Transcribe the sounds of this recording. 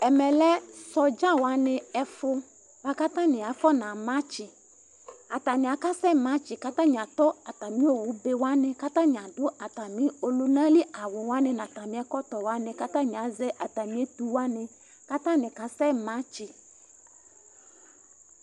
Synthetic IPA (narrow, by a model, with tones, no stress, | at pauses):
ɛ˨mɛ˨lɛ˦sɔ˨d͡ʒa˦wa˦nɪ˦ɛ˨fʊ˦ | va˦ka˦tã˦nɪ˨a˨fɔ˦nã˨mã˦t͡ʃɪ˨ | a˨ta˨mɪ̃˨a˨ka˦sɛ˦˨mã˦t͡ʃɪ˨ka˦tã˦ɲ˨ã˨t̪ɔ˦a˨ta˨mĩ˦o˨wʊ˨˦be˦wa˦nɪ˨ka˦tã˦ɲ˨ã˨dʊ˦ʔa˨ta˨mɪ̃˨˦o˨lu˦nã˦lɪ˦a˨wʊ˨wa˦nɪ˦nã˨ta˨mɪ̃˦ɛ˦kɔ˦t̪ɔ˨wa˦nɪ̃˨ka˦tã˦ɲ˨ã˨˦zɛ˦ʔa˨ta˨mĩ˨˦e˦t̪u˦wa˦nɪ˨ | ka˦tã˦nɪ̃˨ka˨sɛ˦˨mã˨˦t͡ʃɪ˨